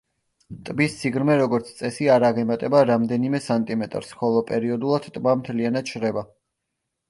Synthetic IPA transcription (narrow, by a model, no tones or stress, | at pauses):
t̪ʼbist̪sʰiɡɾmɛɾɔɡɔɾt̪sʰt̪sʼɛsiaɾaʁɛmat̪ʼɛbaɾamd̪ɛnimɛsant̪ʼimɛt̪ʼɾsχɔlˠɔpʼɛɾiɔd̪ulˠad̪̥t̪ʼbamt̪ʰlianat̪ʃʰɾɛba